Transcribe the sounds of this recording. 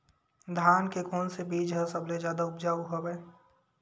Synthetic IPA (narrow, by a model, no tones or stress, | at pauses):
d̪ʱaːnkekoːnsebiːd͡ʒɦəsəbled͡ʒjaːd̪aʊpd͡ʒaːuɦobɛe